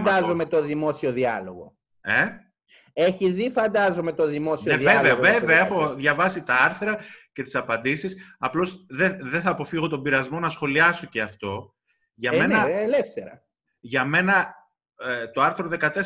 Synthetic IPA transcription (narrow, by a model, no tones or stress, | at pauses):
d̪ɐzo̞met̪o̞ðimo̞sio̞ðiɐ̰lo̞ɣo̞̰ | e | eçiðifɐnd̪ɐzo̞me̞t̪o̞ðimo̞sioeveveɐveveɐexo̞ðʝɐvɐsit̪ɐɐɾθɾɐce̞t̪i̥sɐpɐnd̪isisɐplo̞sðeðeθɐːpo̞fiɣo̞t̪o̞biɾɐzmo̞nɐsxo̞liɐso̞ce̞ɐft̪o̞ | ʝɐme̞nnɐelefθe̞ɾɐ̰ | ʝɐme̞nɐ | t̪o̞ɐɾθɾo̞ðe̞kɐt̪e̞s